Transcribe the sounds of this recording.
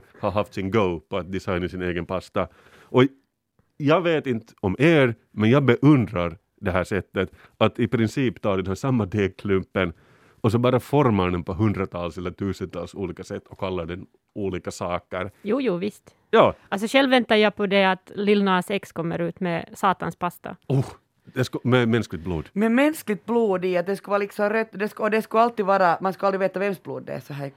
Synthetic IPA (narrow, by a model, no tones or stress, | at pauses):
haɦaft̪sɪnɡəʊpʰɔat̪̚d̪ɪsajnasɪneːɡənpʰast̪a | ʔɔ | jɑːɡveːt̪ɪnt̪əɔmʔeːɾ | mɛnjɑːɡbɛʔɵnd̪ɾaɾ | d̪ɛɦæːʂɛt̪ːət̪ | at̪ɪpɾɪnsiːpt̪ʰɑːɖɛnhæːʂsamːad̪eːkʰlɵmpːən | ɔs̬ɔbɑːɾafɔɾmad̪ɛnpʰɔɦɵnd̪ɾat̪ʰɑːlsɛlːəʈ̪ʰʉːsənt̪ʰɑ̰ːlsuːliːkasɛt̪ʰːɔkʰːalːaɖɛn | uːliːkasɑːkəɾjuːjuːʋɪst̪ | jɑːals̬ɔɕɛlʋɛnt̪ajapʰɔd̪ɛat̪lɪlnaːsɛkskɔmːə̰ɾʉ̟ːt̪mɛsɑːt̪a̰nspast̪a̰uː | d̪ɛskmɛmɛnsklɪɡt̪̚blṵːd̪mɛmɛnsklɪɡ̚t̪̚bluːd̪ɪat̪̚d̪ɛskvɑːɾalɪksɔmɾœt̪ːd̪ɛskɔd̪ɛskɵalt̪ːiːdʋɑːɾamanskald̪ɾɪʋeːt̪aʋɛmsbluːd̪ːɛ̰sɔɦæːɾ